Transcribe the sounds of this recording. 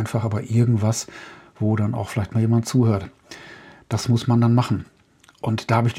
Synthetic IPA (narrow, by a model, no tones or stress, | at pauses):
ɪnfaχʔaːbɐʔɪɐɡŋ̩tv̥asv̥oːdana̰ʊxfɪlaɪçtmaːljeːmantt͡suːhøːɐt | d̥asmʊsmandanmaχn̩ | ʔʊntd̥aːhabɪçd̥i